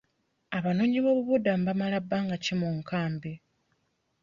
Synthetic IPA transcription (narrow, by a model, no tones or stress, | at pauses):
aβanoːɲiβo̞ːβuβudambamalabːaːŋɡacimuŋkaːmbe